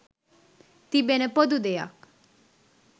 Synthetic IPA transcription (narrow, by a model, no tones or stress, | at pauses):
t̪ibenɛpod̪ud̪eja̰k